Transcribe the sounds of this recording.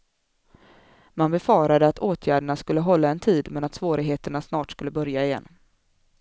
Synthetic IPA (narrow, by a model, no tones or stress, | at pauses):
manbɛfɑːɾad̪əat̪ʰoːt̪ʰjæːɖəɳaskɵlːəɦɔlːaɛnt̪ʰiːd̪mɛnat̪svoːɾɪɡɦeːt̪əɳasnɑːʈskɵlːəbœɾjaɪjɛ̰nː